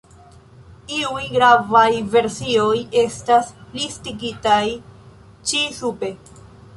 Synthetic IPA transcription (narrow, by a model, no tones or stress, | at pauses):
iujɡɾavajve̞ɾsioje̞staslistiɡitaj | t͡ʃisupe̞